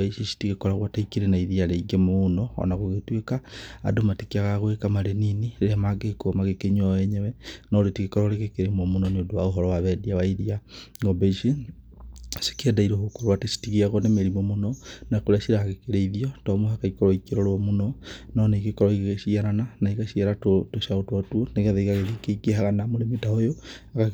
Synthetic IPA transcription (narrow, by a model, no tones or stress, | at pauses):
eiʃisi̥tiɣekɔɾaɣwataikeɾenaiðiaɾeiɡemonɔɔ̰naɣoɣetwekaa̰domatikiaɣaɣwekamaɾeninieɾeamaɡekomaɣekeɲwawɛɲɛwɛnɔɾetiɣekɔɾɔɾeɣekeɾemɔmonɔneodowaoɦɔɾɔwaβɛdiawaiðiaŋɔbeiʃi | se̥kiɛdaiɾohokoɾowatesi̥tiɣiaɣɔnemeɾimɔmonɔnakoɾeasiɾaɣekeɾeiðiɔtɔmoɦakaikɔɾɔikeɾɔɾwɔmonɔnɔneiɣekɔɾɔiɣɣeʃiaɾananaiɣaʃiaɾaotoʃaotwɔtuɔneɣɛðaiɣaɣeðikeikeɦaɣanamoɾemitaojo | aka